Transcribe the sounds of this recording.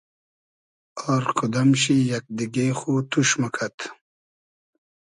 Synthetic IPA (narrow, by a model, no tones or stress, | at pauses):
oːɾkʰud̪ɐmɕijɐk̚d̪iɡexut̪uɕmɐkʰat̪